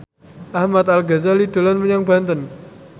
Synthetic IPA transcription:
ʔahmat̪alɡazalid̥o̤lanməɲaŋbant̪ən

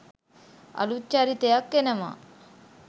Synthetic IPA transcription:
ɐ̰lut͡ʃːaɾit̪ejakːenema̰

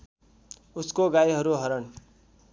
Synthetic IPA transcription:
uskoɡajɦʌɾuɦʌɾʌn

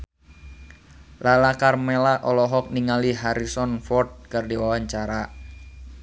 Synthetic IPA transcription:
lalakarmelaʔɔlɔɦɔk̚niŋaliɦaɾisɔnfɔrt̪̚kɨrdiwawaɲt͡ʃaɾa

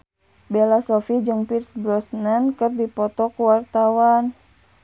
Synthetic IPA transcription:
bɛlasɔfid͡ʒɨŋpirsbɾɔsnankɨrdipɔt̪ɔkuwart̪awan

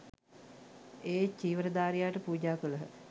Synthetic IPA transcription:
eːt͡ʃiːʋəɾəd̪aːɾijaːʈəpuːd͡ʒaːkuləɦə

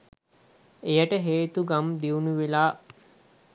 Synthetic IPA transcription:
ejəʈəɦeːt̪uɡamd̪iunuʋelaː

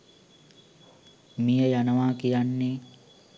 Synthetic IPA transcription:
mijəjanəʋaːkijanːe

